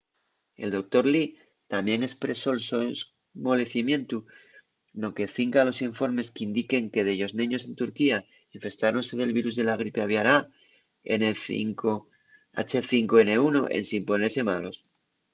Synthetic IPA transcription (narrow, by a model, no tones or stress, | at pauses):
e̞̰ld̪o̞k̚t̪o̞ɾli | t̪amje̞ŋe̞spɾe̞so̞lsos | mo̞le̞θimjẽ̞nt̪u | no̞ke̞θiŋkalo̞siɱfo̞ɾme̞skeind̪ike̞ŋke̞ðeʝo̞znĩɲo̞s̬e̞nt̪uɾkia | iɱfe̞st̪aɾonse̞ðe̞lβiɾuzðe̞laɣ̞ɾipeaβjaɾa | ḛneḭŋko | a̰t͡ʃeθiŋkoe̞ne̞uno̞ʔḛnsimpo̞ne̞ɾse̞malo̞s